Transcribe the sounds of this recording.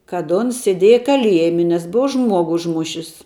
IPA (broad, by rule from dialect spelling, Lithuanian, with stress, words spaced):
kɐt ˈʊns sʲeːˈdʲeːjɛ kɐˈlʲiɛjmʲɪ nʲɛs ˈbʊɐ ˈʒmuɔɡʊ ʊʒˈmʊʃʲɪs